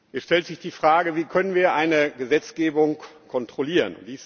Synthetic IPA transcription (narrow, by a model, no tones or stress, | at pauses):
ʔɛsʃtɛltz̥ɪçd̥iːfʁ̥aːɡəviːkʰœnənviːɐʔaɪnəɡəzɛt͡sɡ̥eːbʊŋkʰɔntʁ̥oliːʁənviːs